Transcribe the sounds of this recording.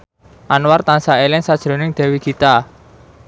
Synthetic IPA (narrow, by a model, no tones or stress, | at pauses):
ʔanwart̪ansaelɪŋsad̥ʒ̥ɾo̤nɪŋd̪̥ɛ̤wiɡ̥it̪a